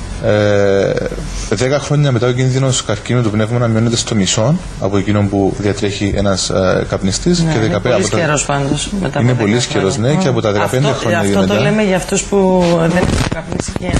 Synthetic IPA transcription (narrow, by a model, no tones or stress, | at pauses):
e | ðekɐxɾo̞ɲːɐmeɐoc̬inðino̞skɐɾcinut̪upne̞vmɐnɐmio̞ne̞t̪est̪o̞miso̞n | ɐ̰poe̞cino̞mpuðiɐt̪ɾe̞çiʔe̞̰nɐskɐpnist̪iskeðekɐɐost̪ɾospɐnd̪osmet̪ɐinepo̞lisceɾo̞zneceɐpo̞t̪ɐðekɐpend̪exɾoɲɐioet̪ɐlemeʝɐːft̪ospuðenexukɐpnisice